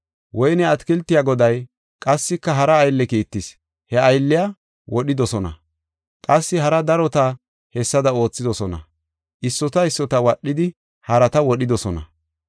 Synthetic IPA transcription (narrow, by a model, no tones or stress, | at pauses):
wɔjnɛɐt̪kɪlt̪ːɪjaːɡɔd̪ɐj | kʼɐsːɪkːɐɦɐɾɐːjlːɛkiːt̪ːɪs | hɛɐjlːɪja | wɔɗɪd̪ɔsɔnɐ̰ | kʼɐsːɪɦɐɾɐd̪ɐɾɔt̪ɐ | hɛsːɐd̪ɐo̞ːt͡sːɪd̪ɔsɔnɐ̰ | ʔɪsːɔt̪ɐɪsːɔt̪ɐwɐɗːɪd̪ɪ | hɐɾɐt̪ɐwɔɗɪd̪ɔsɔnɐ̰